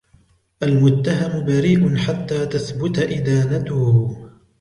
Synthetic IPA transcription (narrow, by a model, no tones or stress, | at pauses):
ʔalmʊt̪ːaɦamʊbaɾiːʔʊnħat̪ːaːt̪aθbʊt̪aʔɪd̪aːnat̪ʊh